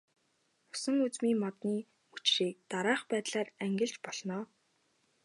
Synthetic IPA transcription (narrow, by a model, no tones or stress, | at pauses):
ʊ̥sə̆ŋut͡smiːmɔt̪niː | mut͡ɕriːk̚t̪aɾaːχpæːt̪ɮaːræŋɡʲɪ̆ɮt͡ɕpɔɮnɔː